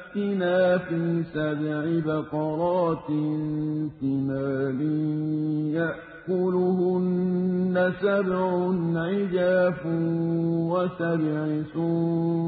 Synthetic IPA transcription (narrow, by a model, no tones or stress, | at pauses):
t̪ːɪnaːfiːsabʕɪbaqɑɾˤɑːt̪nfɪmaːlɪ | jaʔ | kʊlʊhʊnːasabʕʊnʕɪd͡ʒaːfʊnwasabʕɪsʊ